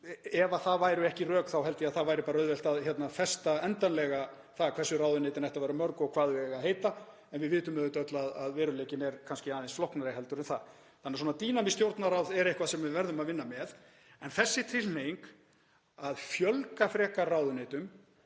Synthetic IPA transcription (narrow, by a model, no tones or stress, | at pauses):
ɛvaθaðvaːjɾʏɛhcɪrœːkθawɦɛlt̪ɪaðθavaːjɾɪpaːɾaœðvɛlt̪aðçɛt̪nafɛst̪aɛnt̪anlɛɣa | θaɣkʰvɛɾ̥sʏraːwðʏnejt̪ɪnajht̪avajɾamœɾkɔɣkʰvaːðʏɛɣaðhejt̪a | ɛnvɪðvɪːt̪ʏmɛðʏt̪œt̪laðaðvɛːɾʏleːcɪnɛɾ̥kʰanscɪaːðejnsflɔhknaɾɪɦɛlt̪ʏɾɛnθa̰ | θanːɪsɔːnat̪iːnamɪst̪jowɾt̪naɾawðɛɾehkvasɛmvɪvɛɾðʏmaðvɪnːamɛð | ɛnθɛsːɪt̪ʰɪlnejŋk | aðfjœlkafɾɛːkarawðʏneːjt̪ʏm